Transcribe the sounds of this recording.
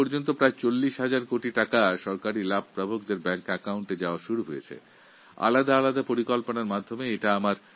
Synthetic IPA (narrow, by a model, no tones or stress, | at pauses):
ɔɾd͡ʑont̪̬opɾaet͡ɕolːiʃɦad͡ʑaɾkoʈiʈakaʃɔɾkaɾilab̚ʱpɾabʱok̚d̪eɾbɛŋkɛkauɳʈed͡ʑaoaʃuɾuɦojet͡ɕʰḛ | a̰lad̪aalad̪apoɾikolponaɾmad̪ʱːomeeʈaamaɾ